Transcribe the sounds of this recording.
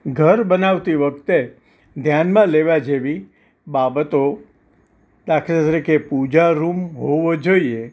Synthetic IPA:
ɡʱəɾbənaʋt̪iʋək̚t̪e | d̪ʱjanmãleʋad͡ʒeʋi | babət̪o | d̪akʰɾat̪ɾikepud͡ʒaɾumɦoʋod͡ʒoie

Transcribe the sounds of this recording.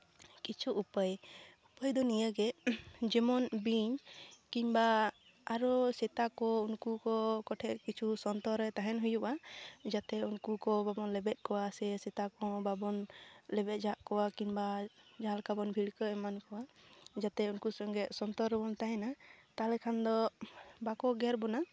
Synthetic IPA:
kit͡ʃʰuʔːpəjupəjd̪ɔnijəɡɛd͡ʒɛmɔnbiɲkiɲba | aɾɔsɛt̪akɔunkukɔkɔʈʰɛʔkit͡ʃʰusɔnt̪ɔɾːɛt̪aɦɛnɦujuʔad͡ʒat̪ɛunkukɔbabɔnlɛbɛt̪̚ˀkɔwasɛsɛt̪akɔ̃babɔnlɛbɛt̪̚d͡ʒaʔkɔwakiɲbad͡ʒaɦalkabɔnbʱiɽkəɛmankɔwad͡ʒat̪ɛunkusɔŋɡɛʔsɔnt̪ɔɾɛbɔnt̪aɦɛnat̪alɛkʰand̪ɔbakɔɡɛɾbɔna

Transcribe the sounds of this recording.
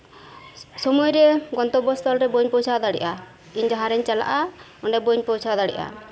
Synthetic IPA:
sɔmɔjɾɛɡɔnt̪ɔbɔst̪ʰɔlɾɛboɲpɔwt͡ʃʰad̪aɽɛ̰ʔa | iɲd͡ʒaɦaɾɛɲt͡ʃala̰ʔa | ɔɳɖɛboɲpɔt͡ʃʰad̪aɽɛ̰ʔa̰

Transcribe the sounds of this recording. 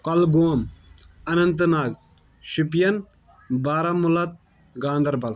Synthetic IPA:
kɐlɡoɐm | ɐnɐnt̪naːɡ | ʃupjɐn | baːɾamulɐt̪̚ | ɡãːnd̪ɐɾbɐl

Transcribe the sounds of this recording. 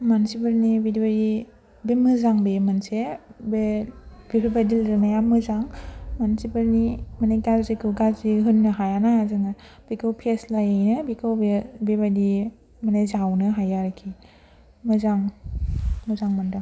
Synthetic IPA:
mansibɯɾnibidibadi | bemɯzaŋbemansebebipʰibadilɾɯnajamɯzaŋmansibaɾnimaneɡaɾzikʰɯɡaziɦɯnːɯɦajanaazɯŋa | b̥ikʰawpʰeslajajnɯbikʰɯwbebebadi | manajzawnɯɦajaɾkʰi | mɯzaŋ | mɯzaŋmanda

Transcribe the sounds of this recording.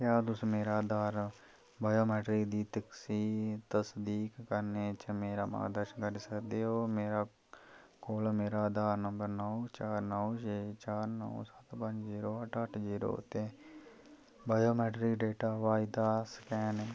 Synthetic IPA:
kjaːd̪ʊsmeːɾaːd̪aːɾ | baːjoːmɛːʈɾɪkd̪iːt̪əksiːt̪əsd̪iːkːəɾnet͡ʃmeːɾaːma̰ːɡd̪əɾʃənkəɾisəkd̪eɦoːmeːɾaː | koːlmeːɾaːd̪aːɾnəmbəɾnɔːt͡ʃaːɾnɔːʃeːt͡ʃaːɾnɔ̰osət̪pə̃ɲd͡ʒziːɾoːɐʈʰəʈʰziːɾo̰ːt̪ẽ | baːjoːmɛːʈɾɪkɖeːʈaːʋaːɪd̪aːskɛːne

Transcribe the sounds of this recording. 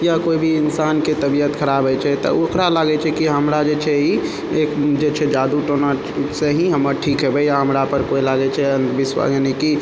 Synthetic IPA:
jakoibʱiinsanket̪əbijət̪kʰəɾabʱɛt͡ʃʰɛt̪ɔ̰okɾalaɡɛt͡ʃʰɛkiɦəmɾad͡ʒet͡ʃʰɛi | ekd͡ʒet͡ʃʰɛd͡ʒad̪uʈona | seɦĩɦəməɾʈʰikɦɛbɛjaɦəmɾapəɾkoilaɡɛt͡ʃʰɛənbiswa̰ɡəniki

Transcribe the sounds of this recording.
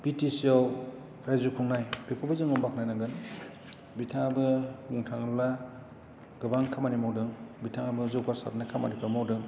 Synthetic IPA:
b̥itisiaw | ɾajzukʰuŋnajbikʰɔbazɯŋɯmbakʰnajnaɡɯn | bitʰaŋabɯmuŋtʰaŋɯla | ɡɯbaŋkʰamanimawdɯŋbitʰaŋabɯzɯwkʰasa̰tnakʰama̰nikʰamawdɯŋ

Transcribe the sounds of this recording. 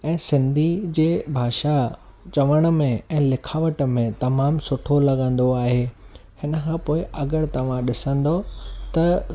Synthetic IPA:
ɛ̃ːsɪ̃nd̪ʱid͡ʑeːbʱaːʃat͡ɕɐʋəɽ̃ə̆mẽɛ̃ːlɪkʰaːʋəʈə̆mẽt̪ɐmaːmsʊʈʰolɐɠə̃nd̪oaːɦeːhɪnəkʰãːpoːɪʔɐɡəɾt̪ɐʋ̤ãɗɪsə̃nd̪ot̪ɐ

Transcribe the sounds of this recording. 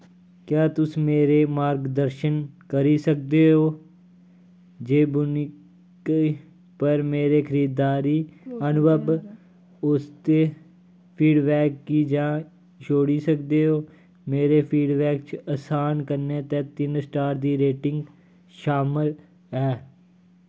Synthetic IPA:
kjaːt̪ʊsiːmeːɾeːmaːɾɡd̪əɾʃənkəɾiːsək̚d̪eːɦoː | d͡ʒeːbʊnɪ | kː | pəɾmeːɾeːkʰəɾiːd̪ːaːɾiːənʊbəb | ʊst̪eː | pʰiːɖbɛːkːiːd͡ʒãː | t͡ʃʰoːɽiːsəkd̪eːɦoː | meːɾeːpʰiːɖbɛːkt͡ʃəsaːnkəɾnẽːt̪ɛ̃ːt̪ɪnsʈaːɾd̪iːɾeːʈɪŋɡ | ʃaːmɪl | ɛː

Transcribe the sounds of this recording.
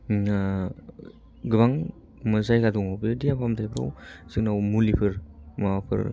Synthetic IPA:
ɡɯbaŋ | mɯzajkaduŋawbediapʰamtʰajpʰɾa̰wzɯknawmulipʰɯɾmapʰɯ̰ɾ

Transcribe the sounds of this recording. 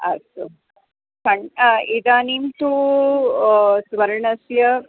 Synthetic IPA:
ɐ̰su | kɐɳid̪aːniːmt̪u | sʋɐɾɳɐsjɐ

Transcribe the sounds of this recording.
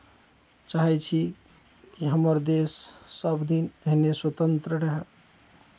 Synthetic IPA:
t͡ʃaɦɛt͡ʃʰi | kiɦəməɾd̪esːəbd̪inəɦineswət̪ənt̪ɾəɾeɦə

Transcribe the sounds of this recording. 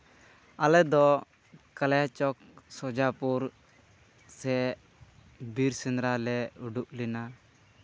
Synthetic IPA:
alɛd̪ɔ | kaljat͡ʃɔksɔd͡ʒapuɾ | sɛ | biɾsɛnɾalɛuɖuʔlɛna

